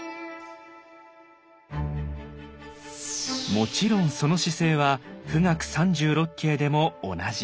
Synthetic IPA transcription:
mo̞t͡ɕiɾõ̞ɰ̃so̞no̞ɕise̞ːβakɯ̟ŋakɯ̟̥sãɲ̟d͡ʑɨːɾo̞kʲʰːe̞ːd̪e̞mo̞ːnaʑi

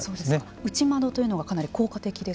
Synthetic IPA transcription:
so̞ːd̪e̞s | ɯ̟t͡ɕimad̪o̞t̪o̞jiɯ̟noɡakanaɾʲiko̞ːkat̪e̞kʲid̪e̞

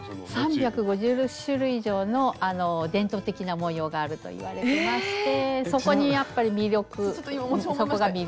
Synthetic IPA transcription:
sãmbʲjakɯ̟ɡo̞ʑɨːɾokɯ̟̥ɕɨɾɯ̟iʑo̞ːno̞ano̞d̪ẽ̞nt̪o̞ːt̪e̞kʲinamõ̞jo̞ːɡaːɾɯ̟t̪o̞̰ḭβa̰ɾe̞emaɕi̥t̪e̞so̞ko̞ɲ̟ijapːaɾʲimʲiɾʲjo̞kɯsokoɡamʲi

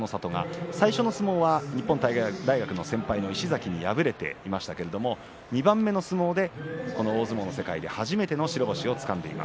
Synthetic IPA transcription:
no̞sat̪o̞ŋa̰saiɕo̞no̞sɨmo̞ːβaɲ̟ipːõ̞nt̪aid̪aiɡakɯ̟no̞sẽ̞mpaino̞iɕizakʲiɲ̟ijabɯ̟ɾe̞t̪e̞̰imaɕi̥t̪ake̞ɾe̞d̪o̞mo̞ | ɲ̟ibãmːe̞no̞sɨmo̞ːd̪e̞ko̞no̞oːzɨmo̞no̞se̞kaid̪e̞haʑime̞t̪e̞no̞ɕiɾo̞bo̞ɕio̞t͡sɨ̥kãnd̪e̞̰ḭma̰s

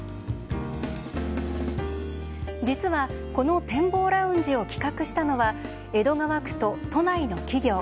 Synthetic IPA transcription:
d͡ʑit͡sɨβa | ko̞no̞t̪ẽ̞mbo̞ːɾaɯ̟̃ɲ̟d͡ʑio̞kʲi̥kakɯ̟ɕi̥t̪ano̞βa | e̞d̪o̞ŋaβakɯ̟̥t̪o̞t̪o̞naino̞kʲiɡʲo̞ː

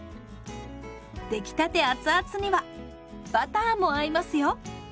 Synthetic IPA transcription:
d̪̥e̞kʲi̥t̪at̪e̞at͡sɨat͡sɨɲ̟iβa | b̥at̪ãːmːo̞aimasɨjo̞

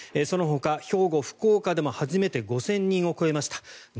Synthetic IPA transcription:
eso̞no̞ɦo̞kaço̞ːɡo̞ɸɯ̟̥ko̞ːkad̪e̞mo̞haʑime̞t̪e̞ɡo̞sẽ̞ɲ̟ːĩɰ̃o̞ko̞e̞maɕi̥t̪ḁ

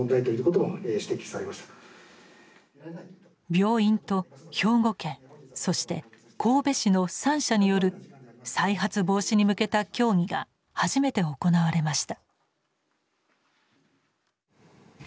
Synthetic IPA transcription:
nd̪ait̪oiɯ̟ko̞t̪̬omoeɕi̥t̪e̞kʲi̥saɾemaɕi̥t̪a | bʲo̞ːĩnt̪o̞ço̞ːɡo̞kẽ̞ɰ̃so̞ɕi̥t̪e̞ | kʰo̞ːbe̞ɕino̞sãɰ̃ɕaɲ̟ijo̞ɾɯ̟saiɦat͡sɨbo̞ːɕiɲ̟imɯ̟ke̞t̪akʲo̞ːŋ̟iɡa̰ | haʑime̞t̪e̞o̞ko̞naβaɾe̞maɕi̥t̪ḁ

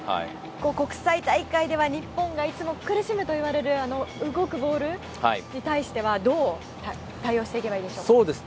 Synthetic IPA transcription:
ha̰i | ko̞ːko̞kɯ̟̥sait̪aikaid̪e̞βaɲ̟ipːõ̞ŋɡait͡sɨmo̞kɯ̟ɾɯ̟ɕimɯ̟t̪o̞iβaɾe̞ɾɯ̟ano̞ɯ̟ɡo̞kɯ̟bo̞ːɾɯ̟ | ha̰ḭɲ̟it̪aiɕi̥t̪e̞βad̪o̞ː | t̪a | t̪aio̞ːɕit̪e̞ikʲe̞baiːd̪e̞ɕo̞ːsoːd̪es

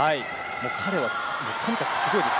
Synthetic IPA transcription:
ai | mo̞ːkʰaɾe̞βa | moːt̪ʰõŋ̟ikaksɨɡo̞i

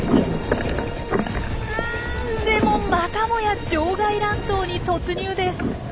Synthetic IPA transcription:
d̪e̞mo̞makamo̞jad͡ʑo̞ːɡaiɾãnt̪o̞ːɲ̟it̪o̞t͡sɨɲ̟ɨːd̪e̞sɨ̥

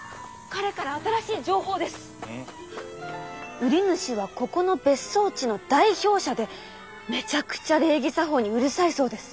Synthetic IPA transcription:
kaɾe̞kaɾaːt̪aɾaɕiːd͡ʑo̞ːɦo̞ːd̪e̞sɨ̥ | ɯ̟ɾʲinɯ̟ɕiβako̞ko̞no̞be̞so̞ːt͡ɕino̞d̪aiço̞ːɕad̪e̞ | me̞t͡ɕakɯ̟̥t͡ɕaɾe̞ːɡʲisaɦo̞ːɲ̟iɯ̟ɾɯ̟saiso̞ːd̪e̞sɨ̥

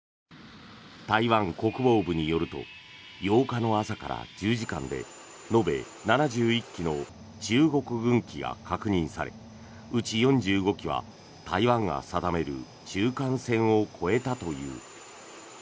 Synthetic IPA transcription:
t̪aiβãŋko̞kɯ̟bo̞ːbɯ̟ɲ̟ijo̞ɾɯ̟t̪o̞̰ | jo̞ːkano̞asaka̰ɾa̰d͡ʑɨːʑikã̰nd̪e̞̰ | no̞be̞̰ | nanaʑɨːikʲːino̞ | t͡ɕɨːɡo̞kɯ̟ɡɯ̟̃ŋkʲiɡa̰kakɯ̟ɲ̟ĩɰ̃saɾe̞̰ | ɯ̟t͡ɕijõ̞ɲd͡ʑɨːɡo̞kʲiβ̞a̰ | t̪aiβãŋɡa̰sad̪ame̞ɾɯ̟̰ | t͡ɕɨːkãñsẽ̞ɰ̃o̞kʰo̞e̞t̪at̪o̞jɯ̟̰ː

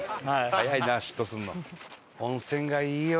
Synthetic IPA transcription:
hajainaɕi̥t̪ːosɨ̃nːo | õɰ̃sẽ̞ŋɡaiː

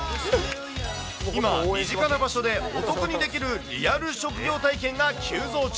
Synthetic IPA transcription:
imamʲiʑikanabaɕo̞d̪e̞o̞t̪o̞koɲ̟id̪e̞kʲiɾɯ̟ɾʲiaɾɯ̟ɕo̞kɯ̟ɡʲo̞ːt̪aikẽ̞ŋɡakʲʰɨːzo̞ːt͡ɕ

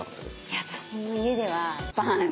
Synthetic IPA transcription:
koesat̪aɕinoie̞d̪e̞βapã

